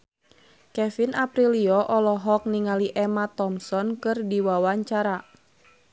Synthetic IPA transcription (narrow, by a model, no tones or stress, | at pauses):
kɛfinapɾiliɔʔɔlɔɦɔk̚niŋaliʔɛmat̪ɔmsɔnkɨrdiwawaɲt͡ʃaɾa